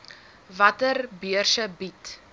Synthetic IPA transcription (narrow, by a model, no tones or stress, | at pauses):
vɐtərbiərsəbit